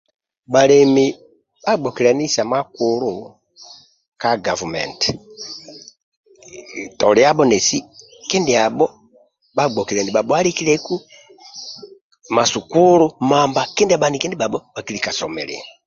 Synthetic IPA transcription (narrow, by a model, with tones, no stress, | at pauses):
ɓa˨lɛ˨mi˨ | ɓa˦ɡ͡bɔ˨ki˨ɾɛ˨ni˦sa˨ma˦ku˨ɾu˦˨ | ka˦ɡa˨vu˨mɛ̰˨nt | tɔ˨lɛ˨˦a˦ɓɔ˦nɛ˨si˦ | kɛ˦ndi˨a˨ɓɔ˦ | ɓa˦˨ɡ͡bɔ˨ki˨ɾɛ˨ni˨ɓa˨ɓɔ˨a˦ɾi˦ki˦lɛ˦ku˦ | ma˨su˨ku˦ɾu˦ma˨mba˨kɛ˦ndi˦a˨ɓa˨ni˨kɛ˦ndi˦ɓa˨ɓɔ˦ɓa˨ki˦li˨ka˨sɔ˨mɛ̰˨ɾɛ̰˨